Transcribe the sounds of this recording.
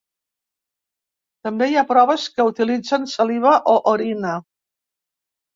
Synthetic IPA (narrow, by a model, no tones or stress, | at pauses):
t̪əmbejapɾɔβəskəut̪ilid͡zənsəliβəʔoʔoɾinə